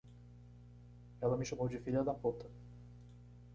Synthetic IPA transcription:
ɛlɐmɪʃɐmowd͡ʒɪfiʎɐd̪ɐpot̪ɐ

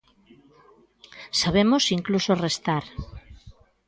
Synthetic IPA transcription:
saβ̞emosiŋklusorest̪aɾ

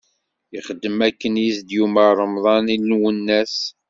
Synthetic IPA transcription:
jiχəd̪ːəmækːənjisd̪juməɾˤəmðˤɑnilːwənːæs

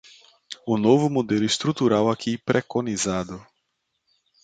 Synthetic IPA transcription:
ʊnovʊmod̪elʊist̪ɾut̪uɾawakʰipɾʔekonizad̪ʊ

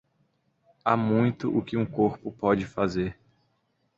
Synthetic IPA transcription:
amũj̃t̪ʊʔʊkɪũkoɾpʊpɔd͡ʒɪfazeɾ

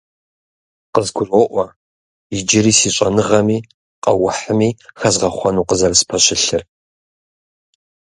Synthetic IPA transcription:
qəzɡʷʊroːʔʷɔ | ɪd͡ʒɪɾiːsiːɕʼɐnɨʁɐmiː | qʼɐ̰wʊħəmiːxɐzʁɐχʷɔnuːqəzɐrspʰɐɕʼɪɬɨr

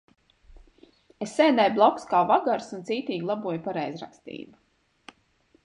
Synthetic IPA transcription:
esːɛjd̪ajblˠɔkskaːvaɡaɾsunt̪siːt̪iːɡlˠabuɔjpaɾɛjzɾa̰kst̪ḭːbu

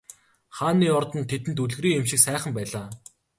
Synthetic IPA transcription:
χaːnːiːɔrt̪ə̆nt̪ʰet̪ɘ̆nt̪uɮɣriːemʃɪ̆ksæːχə̆mpæːɮaː

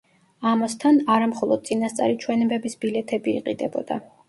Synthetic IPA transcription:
amast̪ʰanaɾamχɔlˠɔd̪̚t̪sʼinast̪sʼa̰ɾit͡ʃʰwɛnɛbɛbisbilɛt̪ʰɛbḭːqʼid̪ɛbɔd̪a̰

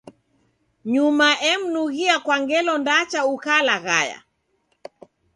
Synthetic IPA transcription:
ɲumaʔɛm̩nuɣiakwaŋɡɛlɔndat͡ʃaukalaɣa̰ja̰

